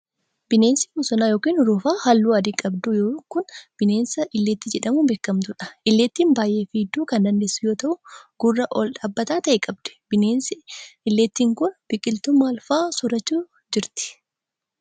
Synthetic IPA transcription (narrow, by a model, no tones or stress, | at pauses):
b̥ɪneːnsɪmʊsɐnaːjo̞ːkiːnʊɾuːfaːhɐlːuːɐd̪ikʼɐbd̪ʊjoːkʊnb̥ɪneːnsɐʔɪlːeːt̪ːɪd͡ʒɛᶑɐmubeːkːɐmt̪ʊᶑɐ̥ʔɪlːeːt̪ːiːnbaːjʔe̞ːfiːd̪ːuːkɐnd̪ɐnd̪eːsːʊjo̞ːt̪ɐʔʊɡ̥ʊrːɐʔɔlᶑaːbːɐt̪aːt̪ɐʔɛkʼɐb̚d̪̥ɛ̥b̥ɪneːnsɪɪlːeːt̪ːiːŋkʊnb̥ɪkʼɪlt̪ʊmːaːlfaːsʊɾɐt͡ʃːuː | d͡ʒɪɾt̪ɪ̥